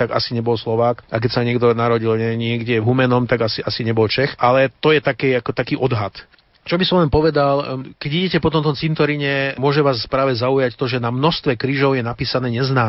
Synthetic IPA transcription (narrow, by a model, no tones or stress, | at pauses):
t̪aɡa̰siɲɛbɔlslɔʋaːkʔak̬ɛcsaɲɪɛɡd̪ɔnaɾɔɟilɲɛɲɪɛɡɟɛvɦumɛnɔmt̪aɡasiʔasiɲɛbɔlt͡ʃɛxalɛt̪ɔjɛt̪akɛakɔt̪akiːʔɔd̪ɦat̪ | t͡ʃɔbisɔmlɛnpɔʋɛd̪alkɛɟiɟɛcɛpɔt̪ɔnt̪ɔmt͡sint̪ɔɾiɲɛmʊɔʒɛʋaːspɾaːʋɛzaujact̪ɔʒɛnamnɔst̪ʋɛkɾiːʒɔʊjɛnapiːsanɛːɲɛznaː